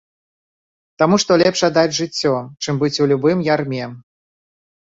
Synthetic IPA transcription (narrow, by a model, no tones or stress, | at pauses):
t̪amuʂt̪ɔlʲɛpʂad̪ad͡zʲʐɨt͡sʲːɔt͡ʂɨmbɨt͡sʲulʲubɨmjarmʲɛ